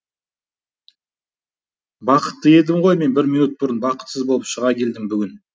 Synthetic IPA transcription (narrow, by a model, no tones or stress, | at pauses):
bɑqə̥t̪ːəe̞d̪ɪmʁo̞jme̞nbɪɾminut̪̚bʊɾənbɑqə̥t̪səzbo̞lˠəpʃəʁɑkʲʰe̞ld̪ɪŋbʏɡʲɪn